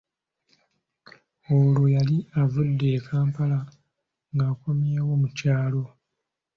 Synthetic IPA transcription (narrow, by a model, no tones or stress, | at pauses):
olojaliavudːe̞ːkʰaːmpala | ŋɡaːko̞mjewo̞mucaːlo̞